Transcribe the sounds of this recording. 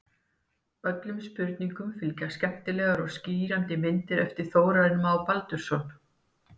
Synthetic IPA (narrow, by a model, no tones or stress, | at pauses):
œt̪lʏmspʏɾt̪niŋkʏmfɪlcaskcɛm̥t̪ɪlɛɣaɾɔɣsciːɾant̪ɪmɪnt̪ɪɾɛft̪ɪɾ̥θoːwɾaðɪnmawpalt̪ʏɾ̥sɔn